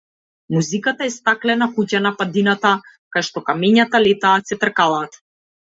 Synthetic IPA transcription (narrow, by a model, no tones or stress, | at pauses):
muzikat̪aɛst̪aklɛnakucanapad̪inat̪a | kajʃt̪ɔkamɛɲat̪alɛt̪aːt̪sɛt̪rkalˠaːt̪